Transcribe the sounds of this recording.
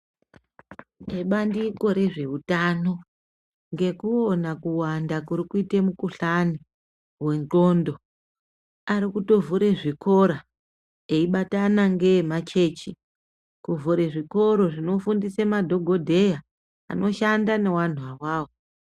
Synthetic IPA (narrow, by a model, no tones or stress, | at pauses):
eɓandiko̞ɾe̞ʐe̞utano̞ | ŋɡe̞kuonakuwandakuɾikuitemukuɬani | we̞nt͡ɬo̞ːndo̞ | aɾikuto̞vuɾeʐiko̞ɾa | e̞iɓatanaŋɡe̞mat͡ʃe̞t͡ʃi | kuvuɾeʐiko̞ɾo̞ʐino̞fundisemadʱo̞ɡʱo̞dʱe̞ja | a̰no̞ʃandane̞wan̤uawaːwo